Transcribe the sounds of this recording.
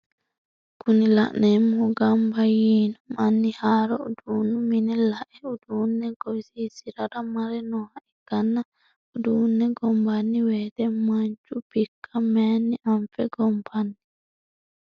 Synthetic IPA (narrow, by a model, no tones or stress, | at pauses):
kunila̰nɛmɔɡambajiːnɔmanːihaɾɔuduːnːuminɛlaʔɛuduːnːɛɡɔsisiɾaɾamaɾɛnɔhaʔɛɡ̥anːa | uduːnːɛɡɔmbanːiwɛːdɛmaɲt͡ʃubikʰːamɛnːiʔaɱfɛɡɔmbanːi